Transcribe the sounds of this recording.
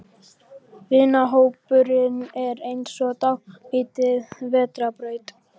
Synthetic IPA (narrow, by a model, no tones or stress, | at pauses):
vɪːnaɦoːwpʏɾɪnɛɾejnsɔt̪awiːt̪ɪðvɛːt̪ɾapɾœɥt̪